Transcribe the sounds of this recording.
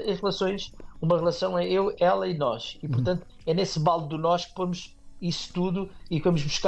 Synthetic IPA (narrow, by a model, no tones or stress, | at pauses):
ɐ̃ʁlˠɐsõj̃ʃumɐʁlˠɐsɐ̃w̃ɛewɛlˠɐinɔʃipuɾt̪ɐ̃nt̪u̥ | ɛnesβalˠd̪unɔʃk̚pomuʃ | isu̥t̪uðuikvɐmuʒβuʃka